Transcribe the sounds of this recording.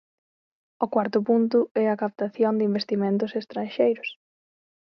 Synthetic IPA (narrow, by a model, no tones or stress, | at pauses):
ʊkwaɾt̪ʊpunt̪ʊɛɐkap̚t̪aθjond̪ɪimbest̪imẽnt̪̬ʊsest̪ɾãnʃejɾʊs